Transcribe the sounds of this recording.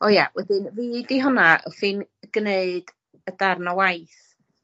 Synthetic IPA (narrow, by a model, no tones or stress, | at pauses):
ɔjawɛdɪnvidiɦɔnaɔθɪnɡ̥neɨd̥ | ədarnawajθ